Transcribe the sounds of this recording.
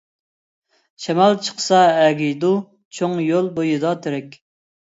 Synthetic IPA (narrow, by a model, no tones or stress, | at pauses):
ʃɛmɑlˠt͡ʃʰə̥qʰə̥sɑɛɡʲijd̪u | t͡ʃʰoŋjolˠbojɨd̪ɑt̪ʰeɾɛkʲ